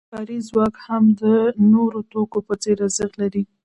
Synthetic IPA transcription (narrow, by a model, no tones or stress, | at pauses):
kɑɾizwɑkhamd̪ənoɾot̪okopət͡seɾazəɣlaɾi